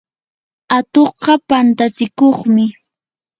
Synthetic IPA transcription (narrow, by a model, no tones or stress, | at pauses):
at̪oqɑpant̪at͡sɪkoχmɪ